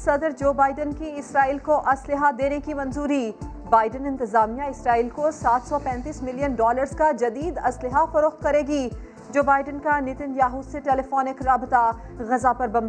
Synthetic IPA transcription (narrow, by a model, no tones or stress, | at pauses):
sɐd̪ɾd͡ʒoːbaːɪɖənkiɪsɾaːiːlkoʔɐslɪɦad̪eːnekimɐ̃nzuːɾi | baːɪɖənɪ̃nt̪ɪzaːmijaɪsɾaːiːlkosaːt̪ʰsɔpɛ̃ːnt̪iːsmɪlijənɖɔːləɾzkad͡ʒɐd̪iːd̪ɐslɪɦafɐɾoːxt̪̚kɐɾeːɡi | d͡ʒoːbaːɪɖənkanɪt̪ɪnjaːɦuːd̪seʈɛːlɪfɔːnɪkɾaːbɪt̪a | ɣɐzapɐɾbɐ̃m